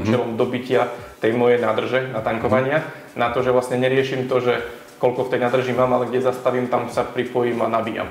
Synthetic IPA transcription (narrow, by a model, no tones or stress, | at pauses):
t͡ʃɛlɔmd̪ɔbicɪat̪ɛjmɔjɛjnaːd̪r̩ʒɛnat̪aŋkɔʋaɲɪa | nat̪ɔʒɛʋlasɲɛɲɛɾɪɛʃiːmt̪ɔʒɛ | kɔlkɔft̪ɛjnaːd̪r̩ʒimaːmalɛɡɟɛzast̪aʋiːmt̪amsapɾipɔjiːmanabiːja̰m